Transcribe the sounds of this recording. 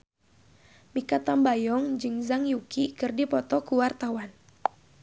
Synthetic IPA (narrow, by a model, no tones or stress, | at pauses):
mikat̪ambajɔŋd͡ʒɨŋzaŋjukikɨrdipɔt̪ɔkuwart̪awan